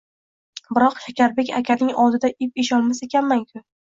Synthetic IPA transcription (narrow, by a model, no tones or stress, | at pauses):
bɪɾɒqʃakʲaɾbe̞kʲakʲʰanɪŋɒlˠd̪ɪd̪aʔɪp̚eʃɒlˠmasekʲʰanmaŋkʰʲʊ